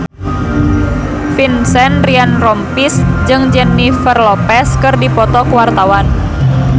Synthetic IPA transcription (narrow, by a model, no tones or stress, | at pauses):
finsɛnrianrɔmpisd͡ʒɨŋd͡ʒɛnːifərlɔpɛskɨrdipɔt̪ɔkəwart̪awan